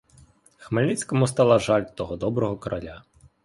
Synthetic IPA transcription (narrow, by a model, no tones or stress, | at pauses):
xmelʲit͡sʲkɔmʊst̪ɑlˠɐʒɑlʲt̪ɔɦɔd̪ɔbɾɔɦɔkɾɐlʲa